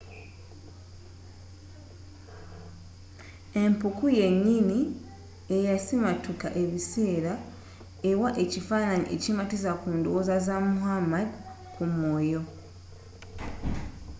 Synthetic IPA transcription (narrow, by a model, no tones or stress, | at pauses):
e̞mpukuje̞ɲːini | e̞jasimatukaʔe̞βiseːɾa | e̞waʔe̞cifanaɲiʔḛcimatizakuːndowozazamuhamad | kumwo̞ːjo̞